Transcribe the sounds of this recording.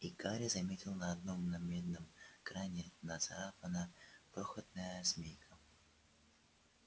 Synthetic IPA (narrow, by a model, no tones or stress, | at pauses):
ikaɾʲɪzɐmʲetʲɪlˠnəɐd̪no̞mnɐmʲed̪̚nəmkɾajnʲɪnɐsaɾapənəpɾoxət̪̚nəjəsmʲejkʰə